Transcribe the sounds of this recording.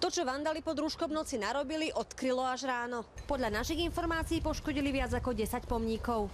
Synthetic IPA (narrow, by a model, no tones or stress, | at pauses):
t̪ɔt͡ʃɔʋand̪alipɔd̪ɾuʃkɔmnɔt͡sinaɾɔbiliʔɔt̪kɾilɔaʒɾaːnɔpɔd̪ʎanaʃiɣinfɔɾmaːt͡siːpɔʃkɔɟiliʋɪad͡zakɔɟɛsacpɔmɲikɔʊ